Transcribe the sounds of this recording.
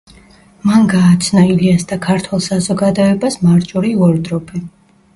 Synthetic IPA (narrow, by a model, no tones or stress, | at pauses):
manɡaːt̪sʰnailiasd̪akʰaɾt̪ʰwɛlˠsazɔɡad̪ɔɛbasmaɾt͡ʃʼɔɾiuɔɾd̪ɾɔpʰɛ